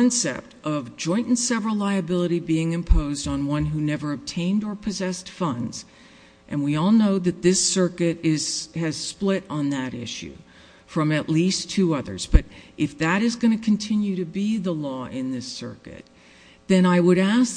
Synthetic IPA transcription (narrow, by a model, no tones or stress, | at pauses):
nsɛ̰p̚tʔʌvd͡ʒɔ̃ɪ̃nʔn̩sɛvɹl̩ˠlaɪɨbɪlˠəɾibiɪ̃ŋɨ̃mpʰoʊzdn̩wʌ̃nɦʉnɛvə˞ɨb̚tʰẽɪ̃ndə˞pʰɨzɛstfʌ̃ndz̥ | ʔɨ̃nwiɔlˠnoʊðɨt̪̚ðɪsɜ˞kɨɾɪz̥ɨz̥splɪɾn̩ðɨɾɪ̰ʃʉ̰ | fɹʌ̃mɨʔˡlistʰʉʌðə̰˞zb̥ʌɾʔɨfðɨɾɨzɡʌñɨkʰɨ̃n̩tʰɪ̃njʉɾɨbiðəlɔɪ̃nðɪsɜ̰˞kɨ̰t̪̚ | ðɨ̃ɾ̃aɪwəɾæs